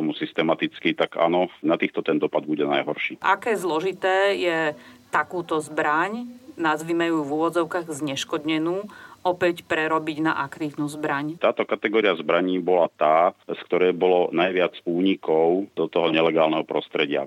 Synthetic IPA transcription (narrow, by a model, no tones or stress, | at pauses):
ɔmusist̪ɛmat̪it͡skit̪aɡa̰ːnɔnat̪iːxt̪ɔt̪ɛnd̪ɔpad̪̚buɟɛna̰jɦɔɾʃiːʔa̰kɛːzlɔʒit̪ɛːjɛt̪akuːt̪ɔzbɾaɲnazʋimajuːvuʋɔd͡zɔʊkaːɣzɲɛʃkɔd̪ɲɛnuːɔpɛcpɾɛɾɔbiɟna̰ʔakt̪iːʊnuːzbɾaɲt̪aːt̪ɔkat̪ɛɡɔːɾiazbɾaɲiːbɔlat̪aːskt̪ɔɾɛːbɔlɔnajʋɪad͡zuːɲikɔʊd̪ɔt̪ɔɦɔɲɛlɛɡaːlnɛɦɔpɾɔst̪ɾɛɟɪa̰